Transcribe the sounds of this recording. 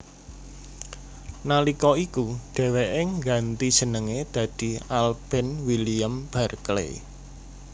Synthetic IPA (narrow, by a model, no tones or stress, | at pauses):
nalikɔikuɖ̪̥ɛ̤weʔɪŋɡant̪id̥ʒ̥ə̤nəŋed̪̥ä̤d̪̥i̤alb̥ɛ̤nwiliəmb̥a̤rklḛ